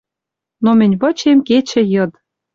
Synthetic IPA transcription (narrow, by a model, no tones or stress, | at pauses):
nomɘ̆nʲβɤ̆t͡ɕemket͡ɕɘ̆jɤ̆d̪